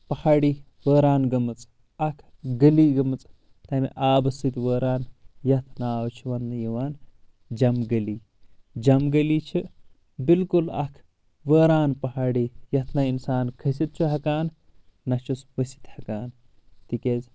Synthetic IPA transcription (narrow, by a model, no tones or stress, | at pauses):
pɐhaːɽiː | ʋəːɾaːnɡɐmɨt͡s | ɐkʰɡɐliːɡɐmɨt͡s | t̪ɐmḭʔaːbɐsit̪ʲʋəːɾaːnjɐt̪ʰnaːwt͡ʃʰuʋɐnːɨjɐʋaːn | d͡ʒɐmɡɐliː | d͡ʒɐmɡɐliːt͡ʃʰɨ | bilkulɐ̰kʰ | ʋəːɾaːnpɐɦaːɽiːjɐt̪ʰnɐinsaːnkʰɐs̬it̪̚t͡ʃʰuɦɐkaːnː | ɐt͡ʃʰusʋɐsi̥t̪hɐkaːn | t̪ikʲez